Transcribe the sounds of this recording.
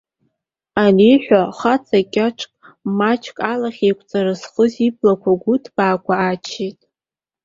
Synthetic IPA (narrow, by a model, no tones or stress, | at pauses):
aliħʷᶣaχat͡sʰʼakʲʼaʈ͡ʂʰʼkʼ | mat͡ʃʰkʼalaχʲejkʷʼt͡sʼaɾasχəziblakʷʰaɡʷʊtʰb̥aːkʷʰaːt͡ʃʰetʼ